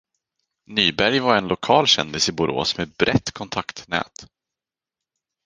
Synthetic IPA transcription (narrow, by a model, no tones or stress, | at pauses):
nyːbæɾjvaɾɛnlʊkʰɑːlɕɛ̰nd̪ɪsɪbʊɾo̰ːsmebɾʔɛt̪ːkʰɔnt̪ʰakt̪nɛ̰ːt̪